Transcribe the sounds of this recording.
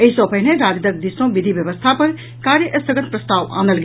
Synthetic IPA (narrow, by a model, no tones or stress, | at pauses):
əɦisõpəɦineɾad̪id̪ək̚d̪isõbid̪ʱibjəbəst̪ʰapɐɾ | kaɾjəʔəst̪ʰəɡət̪̚pɾɐst̪aʋã̰nd̪əlɡ